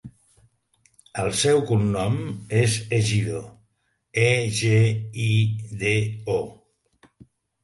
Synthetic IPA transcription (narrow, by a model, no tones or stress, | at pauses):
əlˠsɛwkunːɔmezeʒiðo | eʒeiðeo